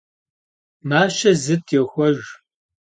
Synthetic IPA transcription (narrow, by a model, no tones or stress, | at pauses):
maːʃɐzɨtʰjɛxʷɔʒ